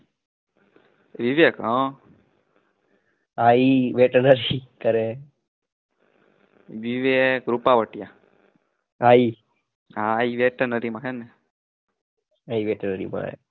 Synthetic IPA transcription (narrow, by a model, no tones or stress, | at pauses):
ʋiʋjekɦã | aiʋeʈənəɾik̪əɾe | ʋiʋekɾupaʋəʈija | ai | ɦaiʋeʈənəɾimãkʰene | aiʋeʈənəɾḭmã̰